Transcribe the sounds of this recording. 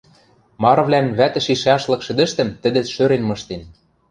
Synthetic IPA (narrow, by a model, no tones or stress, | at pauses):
mɑɾɤ̆βlænβæt̪ɘ̆ʃiʃɑʃlɤ̆kʃɘ̆d̪ɘ̆ʃt̪ɘ̆mt̪ɘ̆d̪ɘ̆ʃøɾenmɤ̆ʃt̪en